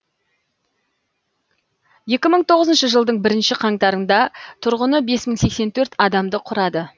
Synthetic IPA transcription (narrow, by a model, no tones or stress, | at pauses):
je̞kʲɪməɴt̪ʰo̞ʁəzənʃəʒəlˠd̪əɴbɪɾɪnʃɪqʰɑŋt̪ɑɾənd̪ɑt̪ʰʊɾʁənəbe̞sməɴse̞kse̞nt̪ʰɵɾt̪ɑd̪ɑmd̪əqʰʊɾɑd̪ə